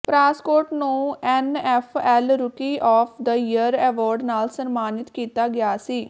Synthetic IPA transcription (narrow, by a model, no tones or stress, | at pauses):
pɾaːskoːɾʈnũːɛːnɛːfʰɛːlɾʊkiːʔɔːpʰd̪əjəəɾɛːʋɔːɾɖnaːlsənmaːnɪt̪kiːt̪aːɡɪjaːsiː